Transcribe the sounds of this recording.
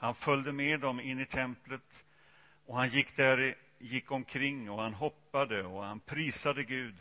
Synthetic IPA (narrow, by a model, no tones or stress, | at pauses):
hanfœld̪əmeːd̪ɔmɪnːɪt̪ʰɛmplət̪ | ɔhanjɪkːd̪æɾ | jɪkːɔmkʰɾɪŋːɔhanɦɔpːad̪əɔhanpʰɾiːsad̪əɡʉ̟ːd̪